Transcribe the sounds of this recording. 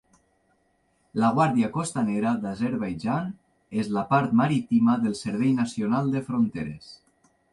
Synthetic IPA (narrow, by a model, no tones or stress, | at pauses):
laɣwaɾðiakost̪aneɾaðazeɾβajʒan | ezlapaɾt̪maɾit̪imaðəlˠsəɾβɛjnasionalˠd̪efɾont̪eɾḛs